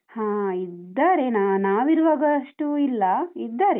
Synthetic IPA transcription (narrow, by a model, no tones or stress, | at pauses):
hãːid̪ːaːɾe̞nanaːʋiɾuʋaːɡɐʂʈuilːɐid̪ːaːɾe